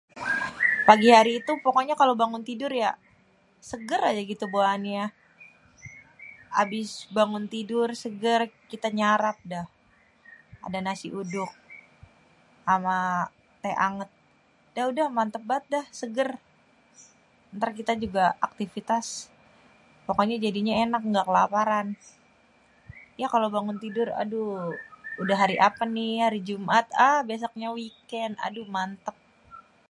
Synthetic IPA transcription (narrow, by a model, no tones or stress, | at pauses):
paɡihaɾiːt̪upokoɲakalobaŋʊnt̪idʊrja | səɡəɾad͡ʒaɡit̪uboanja | a̰bɪsbaŋʊnt̪idʊrsəɡərkit̪aɲaɾap̚dah | a̰danasiʔudʊk̚ | ʔama | aʔaŋət̪̚ | daudahmant̪əp̚bat̪̚dahsəɡər | ənt̪arkit̪ad͡ʒuɡaak̚t̪ifit̪as | pokoɲad͡ʒadiɲaenak̚ŋɡakəlapaɾan | jakalabaŋʊnt̪idʊra̰du | udaɦaɾiʔapanihaɾid͡ʒumʔat̪əhbeas̬ɔk̚ɲawikɛna̰dumant̪əp̚